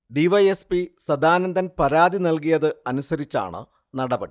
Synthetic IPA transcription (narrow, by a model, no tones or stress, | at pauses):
ɖiʋɐjespisɐd̪aːnɐnd̪ɐnpɐɾaːd̪inɐlkijɐðɨɐnusɐɾit͡ɕːa̰ːɳɨ̰ | nɐɽɐbɐɽi